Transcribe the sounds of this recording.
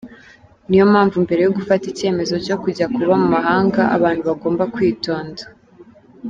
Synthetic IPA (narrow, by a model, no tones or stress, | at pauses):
nijo̞maːɱvumbe̞ɾe̞joɡufatice̞ːme̞zo̞co̞kuɟakuβamumaɦaːŋɡaʔa̰βaːn̥huβaɡo̞ːmbakwiːto̞ːnda